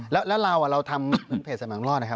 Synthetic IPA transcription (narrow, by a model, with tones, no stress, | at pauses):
lɛː˦˥wlɛː˦˥wɾaː˧wa˨˩ɾa˧wt̪ʰa˧mkʰɯ˧˦˥npʰeː˨˩t̪̚sa˧maː˩˦ŋlɔː˥˩t̚na˦˥kʰa˦˥p